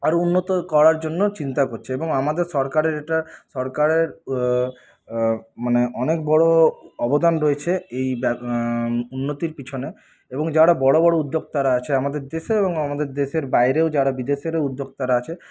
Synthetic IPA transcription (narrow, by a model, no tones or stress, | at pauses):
aɾounːot̪okɔɾaɾd͡ʑonːot͡ɕint̪akoɾt͡ɕʰeeboŋamad̪eɾʃɔɾkaɾeɾek̚ʈaʃɔɾkaɾeɾ | maneʔɔnek̚bɔɽoɔbod̪anɾoet͡ɕʰeejb | unːot̪iɾpit͡ɕʰone | eboŋd͡ʑaɽabɔɽobɔɽoud̪ːoɡ̚t̪aɾaat͡ɕʰeamad̪eɾd̪eʃeeboŋamad̪eɾd̪eʃeɾbajɾeod͡ʑaɽabid̪eʃeɾeud̪ʱːoɡ̚t̪aɾaat͡ɕʰe